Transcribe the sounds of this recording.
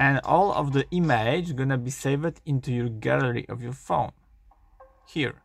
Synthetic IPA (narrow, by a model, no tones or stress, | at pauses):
ɛ̃nɔ̰lˠɔ̰vðəʔimed͡ʒɡonabiseɪvdĩnt̪ujɔɹɡæləɹḭʔɔvjɔɹfõʊ̃n | hiɹ